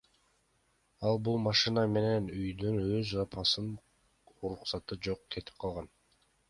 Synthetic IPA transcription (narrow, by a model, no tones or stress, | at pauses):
ɑlˠbulˠmɑʃɨnɑme̞ne̞nyjd̪ynøzɑpʰɑsɯn | uɾuqsɑt̪ɯd͡ʒo̞qkʰe̞t̪i̥p̚qʰɑlˠʁɑn